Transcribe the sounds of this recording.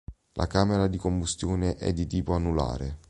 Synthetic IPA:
lʔa̰kaːmeɾad̪ikombust̪joːneʔɛ̰d̪ːit̪iːpoanːula̰ːɾe

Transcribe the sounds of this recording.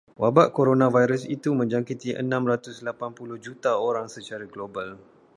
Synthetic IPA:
wabaʔkoɾonãvajɾəsit̪umə̃ɲd͡ʒaŋkit̪iʔə̰nãmɾat̪ʊslapanpulʊhd͡ʒut̪aoɾaŋsət͡ʃaɾaɡlobal

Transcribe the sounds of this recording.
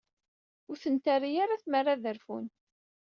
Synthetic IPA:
ʊɾθənt̪arijaɾaθmərːaðəɾfun

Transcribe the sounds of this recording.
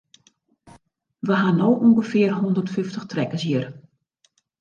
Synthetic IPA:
ʋəɦanoːʔuŋɡəfɪərɦɔndərtfʏftəxtrɛkəsjiər

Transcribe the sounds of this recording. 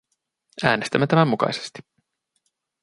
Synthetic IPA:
æːnest̪æmːet̪æmæmːukɑ̰jse̥st̪i̥

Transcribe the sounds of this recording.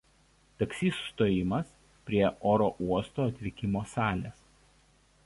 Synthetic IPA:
t̪ɐksʲiːsʊst̪oːjɪmɐs | pʲɾʲiɛʔoːɾoːʔuɔst̪oːɐt̪ʲʋʲɪkʲɪmoːsɑːlʲeːs

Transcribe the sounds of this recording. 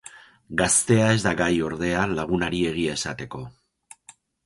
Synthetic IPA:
ɡast̪e̞ae̞zd̪aɡajo̞ɾð̞e̞alaɣ̞unaɾie̞ɣ̞iae̞sat̪e̞ko̞

